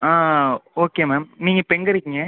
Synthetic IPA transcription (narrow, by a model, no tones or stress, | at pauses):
aːoːkeːmeːmniːŋɡɐpɛŋɡɐɾɯkːɪŋɡɐ